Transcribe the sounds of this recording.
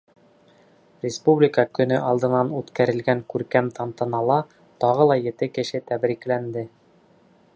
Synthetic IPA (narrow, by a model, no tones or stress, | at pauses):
rʲɪspublʲɪkəkɵ̆nɵʔɑlˠd̪ɤ̆nɑnʉt̪kæɾɘ̆lɡæŋkʉɾkæmt̪ɑnt̪ɤ̆nɑlˠɑ | t̪ɒʁɤlˠɑjɘ̆t̪ɘkɘ̆ʃɘt̪æbɾiklænd̪ɘ